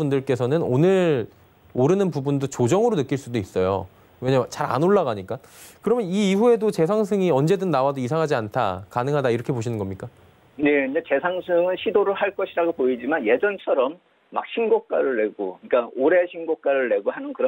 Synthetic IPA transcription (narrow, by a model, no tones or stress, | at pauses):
pundɯɭk͈e̞sʰʌnɯnonɯɾ | oɾɯnɯnpubundot͡ɕod͡ʑʌŋɯɾonɯk͈iɭs͈udois͈ʌjo̰ | weɲamjʌt͡ɕaɾa̰noɭːaɣaɲik͈akɯɾʌmjʌniːɦue̞dot͡ɕe̞sʰaŋsʰɯŋiʌnd͡ʑe̞dɯnːawadoisʰaŋɦad͡ʑiantʰa̰kanɯŋɦadaiɾʌkʰe̞poɕʰinɯnɡʌmɲik͈a | jeɲat͡ɕe̞sʰaŋsʰɯŋɯnɕʰidoɾɯɭhaɭk͈ʌɕʰiɾaɡopoid͡ʑimanje̞d͡ʑʌnt͡ɕʰʌɾʌmː | a̰k̚ɕʰinɡok̚k͈aɾɯɭːe̞ɡoɯik͈aoɾe̞ɕʰinɡok͈̚aɾɯɭːe̞ɡohanɯnkɯɾʌ